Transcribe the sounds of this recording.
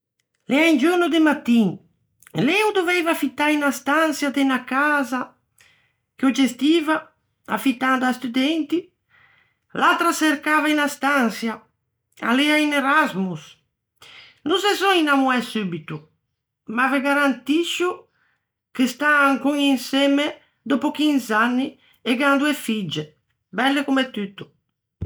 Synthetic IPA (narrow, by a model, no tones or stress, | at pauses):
leaind͡ʒunud̪emat̪iŋ | lɛud̪ovɛjvafit̪ainast̪ansjad̪enakaza | kod͡ʒest̪iva | afit̪and̪ast̪ud̪ɛnt̪i | lat̪ɾaseɾkavainast̪ansja | a̰liaineɾazmus | nusezɔinamuɛsubit̪u | maveɡaɾant̪iʃu | kest̪aːŋkuŋinsɛme | d̪opokinzanːi | eɡand̪uefid͡ʒe | bɛlːekumet̪ːyt̪ːu̥